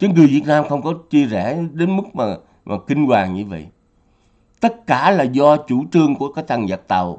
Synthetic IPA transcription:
t͡ɕɨ˨˦ŋɨ˨˩jvi˨˩ət̚naː˧mxə˧wŋ͡mkɔ˨˦t͡ɕi˧əzɛ˧˩ɗe˨˦nmɨ˦˥k̚maː˨˩ | maː˨˩kï˧ŋkwaː˨˩ŋɲɨ˧və̰˧˨jʔ | t̪ə˦˥t̚kaː˧˩laː˨˩zɔ˧t͡ɕu˧˩t͡ɕɨ˧əŋku˧˩əkaː˨˦˥k̚t̪ʰa˨˩ŋzə˨˩t̚t̪a˨˩w

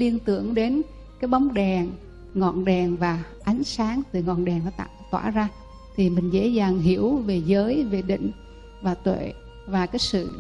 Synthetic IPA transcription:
li˧ənt̪ɨ̰˧˩˨əŋɗe˨˦n | kaː˨˦jɓa˨˦wŋ͡mɗɛ˨˩ŋ | ŋɔ̰˧˨nɗɛ˨˩ŋvaː˨˩ | ʔa˨˦jŋ̟saː˨˦ŋt̪ɨ˨˩ŋɔ̰˧˨nɗɛ˨˩ŋvaː˧˦t̪a̰ː˧˨t̪wa̰ː˧˩zaː˧ | t̪ʰi˨˩mï˨˩ŋ̟zḛ˧˥zaː˨˩ŋɦi˧˩əwve˨˩zəː˨˦jve˨˩ɗḭ̈˧˨ŋ̟ | vaː˨˩t̪wḛ˧˨ | vaː˨˩kaː˨˦jsɨ̰˧˨

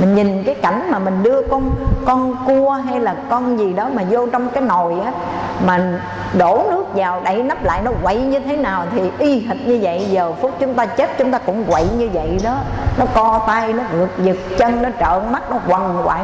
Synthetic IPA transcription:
mï˨˩ŋ̟ɲi˨˩nkaː˨˦jka˧˩jŋ̟maː˨˩mï˨˩ŋ̟ɗɨ˧əkɔ˧nkɔ˧nku˧əɦa˧jlaː˨˩kɔ˧nzi˨˩ɗɔ˨˦maː˨˩zo˧t͡ɕɔ˧wŋ͡mkaː˨˦jno˨˩jʔaː˨˦ | maː˨˩ | ɗo˧˩nɨ˦˥ək̚zaː˨˩wɗə˧˩jna˦˥p̚la̰ː˧˨jnɔ˨˦ɣwa̰˧˨jɲɨ˧t̪ʰe˨˦naː˨˩wt̪ʰi˨˩ʔi˧ɦï˨˩t̚ɲɨ˧və̰˧˨jzəː˨˩fu˦˥k͡p̚t͡ɕʊ˨˦ŋ͡mt̪aː˧t͡ɕe˦˥t̚t͡ɕʊ˨˦ŋ͡mt̪aː˧kʊ̰˧˥ŋ͡mkwa̰˧˨jɲɨ˧və̰˧˨jɗɔ˨˦nɔ˨˦kɔ˧t̪aː˧jnɔ˨˦ɣɨ˨˩ək̚zɨ˨˩k̚t͡ɕə˧nnɔ˨˦t͡ɕə̰ː˧˨nma˦˥t̚nɔ˨˦kwa˨˩nkwa̰ː˧˩

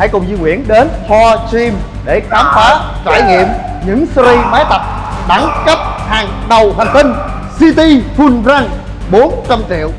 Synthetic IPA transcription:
ha̰˧˩jkʊ˨˩ŋ͡mzɨ˧ŋwi˧˩ənɗe˨˦nt̪ʰɔ˧t͡ɕi˧m | ɗe˧˩xaː˨˦mfaː˨˦ | t͡ɕaː˧˩jŋḭ˧˨əm | ɲɨ̰˧˥ŋsɾi˧maː˨˦jt̪ə˨˩p̚ | ɗa˨˦ŋkə˦˥p̚haː˨˩ŋɗə˨˩wɦa˨˩ŋ̟t̪ï˧ŋ̟ | si˧t̪i˧fu˧nzaː˧n | ɓo˨˦nt͡ɕa˧mt͡ɕḭ˧˨əw

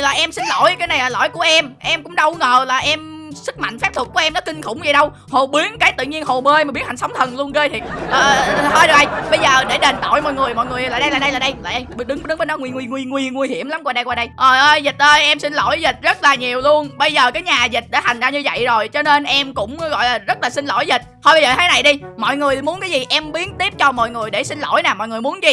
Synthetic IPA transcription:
laː˨˩ʔɛ˧msi˧n̟lo˧˩jkaː˨˦jna˨˩jlaː˨˩lo̰˧˩jku˧˩əʔɛ˧mʔɛ˧mkʊ̰˧˥˦ŋ͡mɗə˧wŋəː˨˩laː˨˩ʔɛ˧msɨ˦˥k̚ma̰˧˨ŋ̟fɛ˦˥p̚t̪ʰk̚u˧˩˦ʔɛ˧mnɔ˨˦kï˧ŋ̟xʊ̰˧˩wŋ͡mzə˨˩ɗə˧w | ho˨˩ɓi˨˦ənkaː˨˦jt̪ɨ̰˧˨ɲi˧ənho˨˩meː˧ma˨˩ɓi˦əha˨˩ŋswŋ͡mt̪ʰə˨˩nlu˧ənɣəː˧jt̪ʰi˨˩ʔəː˨˩həː˧jɗ̚ʔɗə˧jɓə˧jzəː˨˩ɗe˧˩ɗe˨˩nt̪o̰˧˨jmɔ̰˧˨jŋɨ˨˩əjmɔ̰˧˨jŋɨ˨˩əjlaː˨˩ɗə˧jlaː˨˩ɗə˧jlaː˨˩ɗə˧jlaː˨˩ʔə˧jɗɨ˨˦ŋ˧ɗɨ˨˦ŋvə˧˦nɔ˨˦ŋwi˧ŋwi˧ŋwi˧ŋwi˧˩əŋwi˧ɦi˧˩əmla˨˦mkwaː˧ɗə˧jkwaː˧ɗə˧jʔəː˨˩ʔəː˧jzï˨˩t̚ʔəː˧jʔɛ˧msi˧ŋ̟lo̰˧˩jzi˨˩t̚zə˦˥t̚laː˨˩ɲi˨˩əwlu˧ənɓə˧jzəː˨˩kaː˨˦jɲaː˨˩zï˨˩t̚ɗa̰ː˧˩t̪a˨˩ŋ̟zaː˧ɲɨ˧və̰˧˨jzo˨˩jt͡ɕɔ˧ne˧nʔɛ˧mkʊ̰˧˥ŋ͡mɣɔ̰˧˨jlaː˨˩zə˦˥t̚laː˨˩si˧ŋlo̰˧˩jzi˨˩t̟̚hɔ˧jɓə˧jzəː˨˩t̪ʰaː˨˦na˨˩jɗi˧mɔ̰˧˨jŋɨ˨˩əmu˨˦nkaː˨˦jzi˨˩ʔɛ˧mɓi˨˦ənt̪i˦˥p̚t͡ɕɔ˧mɔ̰˧˨jŋɨ˨˩əjɗe˧˩sï˧ŋlo̰˧˩jnaː˨˩mɔ̰˧˨jŋɨ˨˩əjmu˨˦nzi˨

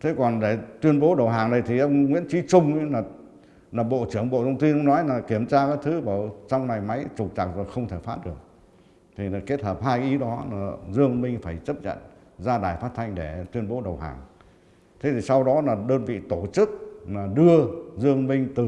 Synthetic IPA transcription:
t̪ʰe˨˦kɔ˨˩nɗe˧˩t̪wi˧ənɓo˨˦ɗə˨˩wɦaː˨˩ŋna˨˩jt̪ʰi˨˩ʔə˧wŋ͡mŋwḭ˧˥nt͡ɕi˨˦t͡ɕʊ˧ŋ͡mlaː˨˩ | laː˨˩ɓo̰˧˨t͡ɕɨ˧˩əŋɓo̰˧˨t̪ʰə˧wŋ͡mt̪i˧nʔə˧wŋ͡mnɔ˨˦jlaː˨˩ki˧˩əmt͡ɕaː˧kaː˨˦jt̪ʰɨ˨˦vəː˧˩t͡ɕa˧wŋ͡mna˨˩jma˨˦jt͡ɕʊ˨˩k͡p̚t͡ɕa˨˩k̚zo˨˩jxə˧wŋ͡mt̪ʰe˧˩faː˦˥t̚ɗɨ˨˩ək̚ | t̪ʰi˨˩naː˨˩ke˦˥t̚həː˨˩p̚haː˧jkʔi˨˦ɗɔ˨˦laː˨˩zɨ˧əŋmï˧ŋ̟faː˧˩jt͡ɕə˦˥p̚ɲa̰˧˨n | zaː˧ɗaː˨˩jfaː˦˥t̚t̪ʰa˧jŋ̟ɗe˧˩t̪wi˧ənɓo˨˦ɗə˨˩wɦa̰ː˨˩ŋ | t̪ʰe˨˦t̪ʰi˨˩sa˧wɗɔ˨˦laː˨˩ɗəː˧nvḭ˧˨t̪o˧˩t͡ɕɨ˦˥k̚laː˨˩ɗɨ˧əzɨ˧əŋmï˧ŋ̟t̪ɨ˨˩

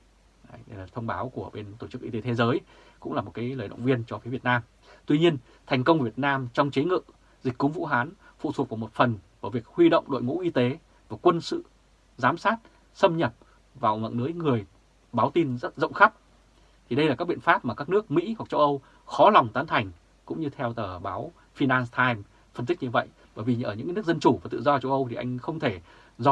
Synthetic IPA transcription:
t̪ʰə˧wŋ͡mɓaː˨˦wku˧˩əɓe˧nt̪o˧˩t͡ɕɨ˦˥k̚ʔi˧t̪e˨˦t̪ʰe˨˦zəː˨˦j | kʊ̰˧˥ŋ͡mlaː˨˩mo˨˩t̚kaː˨˦jləː˨˩jɗə̰˧˨wŋ͡mvi˧ənt͡ɕɔ˧fi˨˦vət̚naː˧m | t̪wi˧ɲi˧ən | t̪ʰjŋ̟kə˧wŋ͡mvi˨˩ət̚naː˧mt͡ɕɔ˧wŋ͡mt͡ɕə˨˦ŋɨ̰˧˨ | zi˨˩k̟̚ʲkʊ˨˦ŋ͡mvṵ˧˥ɦaː˨˦n | fṵ˧˨t̪ʰət̚vaː˨˩mo˨˩t̚fə˨˩nvaː˨˩vi˨˩ək̚hwi˧ɗə̰˧˨wŋ͡mɗo̰˧˨jŋṵ˧˥ʔi˧t̪e˨˦ | vaː˨˩kwə˧nsɨ̰˧˨ | zaː˨˦msaː˦˥t̚ | sə˧mɲə˨˩p̚ | vaː˨˩wvə̰˧˨nɨ˨˦əjŋɨ˨˩əj | ɓaː˨˦wt̪i˧nzə˦˥t̚zə̰˧˨ŋ͡mxa˦˥p̚ | t̪ʰi˨˩ɗə˧jlaː˨˩kaː˦k̚ɓḭ˧˨ənfaː˦˥p̚maː˨˩kaː˦˥k̚nɨ˦˥ək̚mḭ˧˥ɦwa˨˩k̚t͡ɕə˧wʔə˧w | xɔ˨˦la˨˩wŋ͡mt̪aː˨˦nt̪ʰa˨˩jŋ̟ | kʊ̰˧˥ŋ͡mɲɨ˧t̪ʰɛ˧wt̪əː˧˩ɓaː˨˦w | fi˧naː˧nst̪ʰaː˧jm | fə˧nt̪ï˦˥k̚ɲɨ˧və̰˧˨jʔ | ɓəː˧˩jvi˨˩ʔəː˧˩ɨ̰˧˥ŋkːnɨ˦˥ək̚zə˧nt͡ɕu˧˩vaː˨˩t̪ɨ̰˧˨zɔ˧t͡ɕə˧wʔə˧wt̪ʰi˨˩ʔa˧jŋ̟xə˧wŋ͡mt̪ʰe˧˩ | zɔ˧

